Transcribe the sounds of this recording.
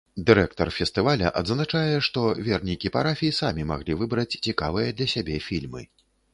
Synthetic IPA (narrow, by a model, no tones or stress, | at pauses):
d̪ɨɾɛk̚t̪ɔrfʲɛst̪ɨvalʲɐ̰ʔad̪znat͡ʂajɛʂt̪ɔvʲɛrnʲikʲipaɾafʲiisamʲima̰ɣlʲivɨbɾɐt͡sʲt͡sʲika̰vɨjɐd̪lʲɐsʲabʲɛfʲilʲmɨ̰